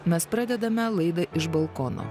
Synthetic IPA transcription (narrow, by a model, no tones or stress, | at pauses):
mʲɛspɾɑd̪ʲɛd̪ɐmʲɛlˠɐɪd̪ɐʔɪʃbɐlˠkɔno̰